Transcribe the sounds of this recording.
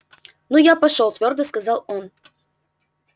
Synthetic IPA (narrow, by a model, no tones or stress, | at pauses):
nujapɐʂolˠt̪vʲord̪əskɐzɑlˠon